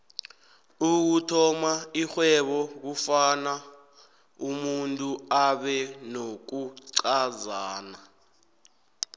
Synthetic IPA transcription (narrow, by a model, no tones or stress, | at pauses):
uk̬utʰɔmaixwɛɓɔk̬ufana | umuntʼuaɓɛnok̬uǀazaːna